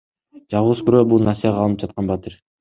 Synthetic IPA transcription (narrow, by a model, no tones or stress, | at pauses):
d͡ʒɑlˠuskyɾøbulˠnɑsijaʁɑlˠɯnɯp̚d͡ʒɑt̪qɑnbɑt̪ɯɾ